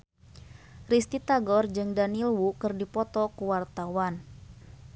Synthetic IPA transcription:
rist̪it̪aɡɔrd͡ʒɨŋdanilwukɨrdipɔt̪ɔkuwart̪awan

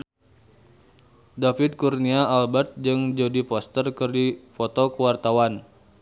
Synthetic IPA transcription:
dafid̪̚kurniaːlbərt̪̚d͡ʒɨŋd͡ʒodipɔst̪ərkɨrdifɔt̪ɔkəwart̪awan

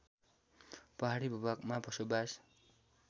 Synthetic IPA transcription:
pʌɦaɾibʱubakmabʌsobas

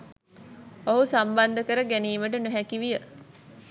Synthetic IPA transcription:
oɦusamband̪əkəɾəɡæniːməʈ̬ənuɦækiʋijə

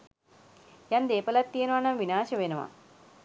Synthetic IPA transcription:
jɐnd̪eːpɐlɐt̪ːijɐnɐʋanɐmʋinaːʃɐʋenɐʋa̰

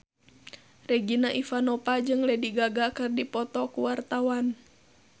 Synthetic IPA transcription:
rɛɡinaʔifanɔpad͡ʒɨŋlɛdiɡaɡakɨrdipɔt̪ɔkuwart̪awan

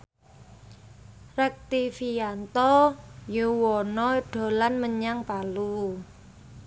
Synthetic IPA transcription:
rɛk̚t̪ifiant̪ɔjuwɔnɔɖ̥o̤lanməɲaŋpalu

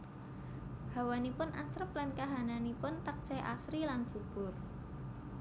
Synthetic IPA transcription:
b̥awanipʊnʔasɾəp̚lankaɦananipʊnt̪akseʔa̰sɾilansub̥ʊr

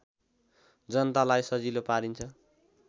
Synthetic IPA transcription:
d͡zʌnʌt̪alajsʌd͡zilopaɾint͡sʰʌ

